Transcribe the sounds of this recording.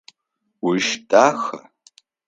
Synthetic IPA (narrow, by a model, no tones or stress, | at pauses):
wiʃtʼaxa̰